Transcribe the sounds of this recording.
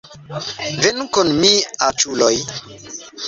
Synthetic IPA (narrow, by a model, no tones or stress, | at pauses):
venkunmiat͡ʃuloj